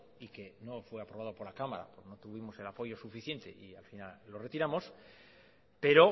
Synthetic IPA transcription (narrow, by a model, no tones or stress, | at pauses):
ike̞no̞fwe̞apɾo̞β̞aðo̞po̞ɾlakamaɾa̰poɾnot̪uβ̞imo̞se̞lapo̞ʝo̞sufiθje̞nt̪e̞̰ʔialfinalːo̞re̞t̪iɾamo̞s | pe̞ɾo̞